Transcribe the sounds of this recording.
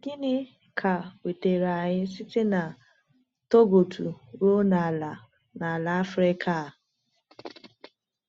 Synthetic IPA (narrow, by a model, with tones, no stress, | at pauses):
ɡɪ˦nɪ˦ | kʰa˨we˨te˨ɾa˨ɲɪ˦sɪ˦te˦na˨ | to˦ɡo˨tʰu˨ɾo˦na˨la˨ | na˨la˨a˦fɾe˦kʰa˦˨